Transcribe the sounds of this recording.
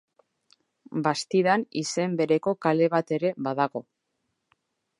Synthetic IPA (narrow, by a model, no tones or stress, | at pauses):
bast̪iðanise̞mbe̞ɾe̞ko̞kale̞β̞at̪e̞ɾe̞βaðaɣo̞